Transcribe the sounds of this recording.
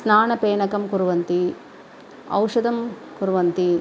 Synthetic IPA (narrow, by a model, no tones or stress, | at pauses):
snaːɳɐpeːɳɐkɐmkuɾuʋɐnt̪i | ɐ̰wʂɐd̪ɐm | kuɾuʋɐnt̪i